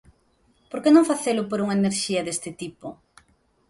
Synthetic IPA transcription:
poɾkenõŋfaθelʊpoɾuŋaeneɾʃiɐðest̪ɪt̪ipʊ

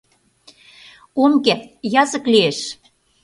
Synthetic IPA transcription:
omkĕjɑzə̆klieʃ

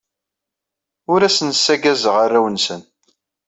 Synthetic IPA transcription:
ʊɾæsənsːæɡæzəʁarːæwənsən

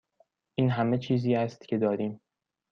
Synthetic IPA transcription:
ʔiːnɦæmet͡ʃʰiːziːæst̪cʰʲe̞d̪ɒːɾiːm

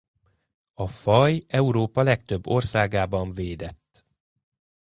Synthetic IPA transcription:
ɒfɒjɛuɾoːpɒlɛkt̪øbːo̞rsaːɡaːbɒɱveːd̪ɛt̪ː

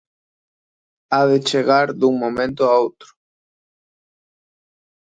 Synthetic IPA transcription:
aðɪt͡ʃeɣaɾd̪uŋmõmẽnt̪ʊaowt̪ɾʊ̥

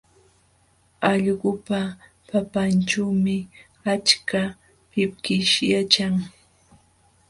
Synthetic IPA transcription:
ɑʎɢʊpa | papant͡ʃawmɪ | at͡ʃka | pɪp̚kɪʃjat͡ʃaŋ

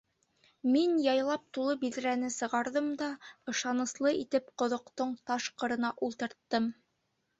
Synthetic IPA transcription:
minjɑjlˠɑp̚t̪ulˠɤbilɾænɘsɤ̆ʁɑɾðɤmd̪ɑɤ̆ʃɑnɤ̆slˠɤit̪ɘpqŏðŏqt̪oɴt̪ɑʃqɤ̆ɾɤ̆nɑʔulˠt̪ɤ̆ɾt̪ːɤm

